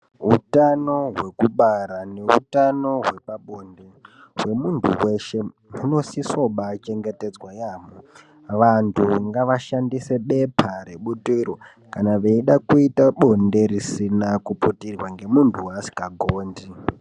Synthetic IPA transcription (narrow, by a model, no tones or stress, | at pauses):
ɦutano̞ɦwe̞kuɓaɾane̞ṵtano̞ɦwe̞paɓo̞nde̞ | we̞muntʰṵwe̞ʃe̞ | muno̞siso̞ɓat͡ʃe̞ŋɡe̞te̞d͡zwajaːmo | ʋantʰuŋɡaʋaʃandise̞ɓe̞pʰaɾe̞ɓutiɾo | kanaʋeiɗakuitaɓo̞nde̞risinakuputirwaŋɡe̞muntʰuwasi̥kaɡʱoːndi